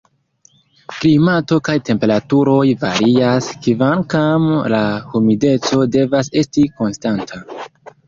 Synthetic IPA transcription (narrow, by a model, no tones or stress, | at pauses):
klimato̞kajte̞mpe̞ɾatuɾo̞jvaɾiaskivankamlahumide̞t͡so̞de̞vase̞stiko̞nstantʰa